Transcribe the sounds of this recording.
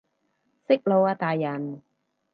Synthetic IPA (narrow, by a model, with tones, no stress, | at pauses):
sɪ˥k̚lo˨˧waː˧t̪aː˨jːɐ˨˩n